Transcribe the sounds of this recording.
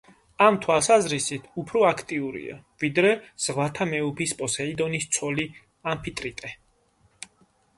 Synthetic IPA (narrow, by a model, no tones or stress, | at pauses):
amt̪ʰwalˠsazɾisit̪ʰupʰɾɔakʰt̪ʼiuɾḭa̰vid̪ɾɛz̥ʁvat̪ʰamɛupʰispʼɔsɛid̪ɔnist̪sʰɔli | ampʰit̪ʼɾit̪ʼɛ